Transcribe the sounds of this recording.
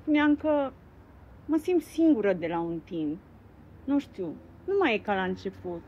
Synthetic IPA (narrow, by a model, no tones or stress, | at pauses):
spuneaŋkə | məsimdt̪siŋɡuɾəd̪elaunt̪imp̚ | nũʃt̪ju | numajekalaɨnt͡ʃe̞put̪̚